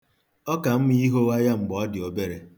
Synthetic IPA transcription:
ɔ˦ka˨m̩˦mi˦i˦ɦo˦wa˦ja˦ŋ͡m̩˨ɡ͡bɔ˦dɪ˨o˨be˦ɾe˨

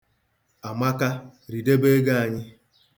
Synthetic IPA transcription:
a˨ma˦ka˦ɾi˨de˦be˦ɡa˦a˨ɲɪ˦

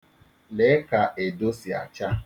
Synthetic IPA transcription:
le˨˦ka˨ʔe˨do˦si˨a̰˨t͡ʃa˦

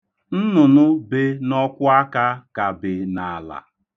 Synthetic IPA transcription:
n̩˦nʊ˨nʊ˦be˦nɔ˦kʷʊ˦a˦ka˦ka˨bɪ˨na˨la̰˨

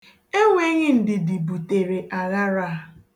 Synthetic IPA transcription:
e˦ŋʷe˦ɲɪ˦n̩˨dɪ˨di˨bu˨te˨ɾe˨ʔa˨ɾa˦ɾa˦˨

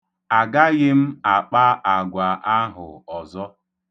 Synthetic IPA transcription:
a˨ɡa˦ɣɪ˦m̩˦a˨k͡pa˦ʔa˨ɡʷa˨ʔa˦ɦʊ̰˨ɔ˨zɔ˦

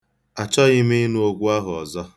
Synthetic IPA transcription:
a˨t͡ʃɔ˦ɣɪ˦mi˦nu˦o˦ɡʷu˦a˦ɦʊ˨ɔ̰˨zɔ˦

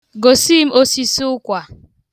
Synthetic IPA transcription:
ɡo˨si˦m̩˦o˦si˦sʊ˦ʊ˦kʷa˨

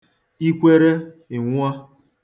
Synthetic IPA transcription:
i˦kʷe˦ɾe˦ | e˨ŋʷu˦a˦

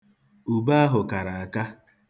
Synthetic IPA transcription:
u˨ba˦a˦ɦʊ˨ka˨ɾa˨a˨ka˦

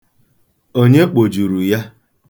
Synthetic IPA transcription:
o˦ɲe˦k͡po˨d͡ʒu˨ɾu˨ja˦

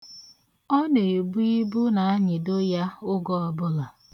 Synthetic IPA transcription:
ɔ˦ne˨e˨bu˦i˦bu˦na˨a˦ɲɪ˨do˦ja˦ʊ˦ɡɔ˦ɔ˨bʊ˦la˨

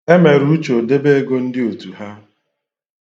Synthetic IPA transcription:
e˦me˨ɾu˦t͡ʃo˨de˦be˦e˦ɡo˦n̩˦dɪ˦o˨tu˨ɦa˦

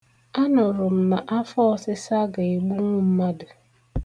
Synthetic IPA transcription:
a˦nʊ˨ɾʊ˨m̩˨ma˨ʔa˦fɔ˦sɪ˦sa˦ɡa˨i˨ɡ͡bu˦ŋʷu˦m̩˦ma˦dʊ˨

